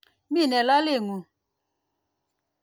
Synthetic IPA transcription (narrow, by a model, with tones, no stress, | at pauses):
mi˦˨nɛ˨la˦le˦˨ŋu˨